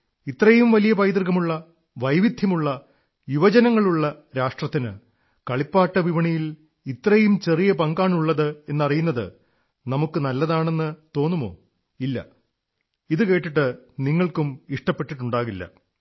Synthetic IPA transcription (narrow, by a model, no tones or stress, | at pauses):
it̪ːrɐjumʋɐlijɐpɐjd̪rɣɐmuɭːɐ | ʋɐjʋid̪ʱjɐmuɭːɐ | juʋɐd͡ʑɐnɐŋːɐɭuɭːɐ | ɾaːʂʈrɐt̪ːinɨ | kɐɭipːaːʈːɐʋiʋɐɳijil | it̪ːrɐjumt͡ɕe̞rijɐpɐŋɡaːɳuɭːɐðɨe̞nːɐrijunːɐðɨ̰ | nɐmukːɨnɐlːɐðaːɳe̞nːɨt̪o̞ːnːumo̞̰ː | ilːɐ̰ | iðɨke̞ːʈːiʈːɨniŋːɐɭkumiʂʈɐpːe̞ʈːiʈːuɳɖaːɣilːɐ̰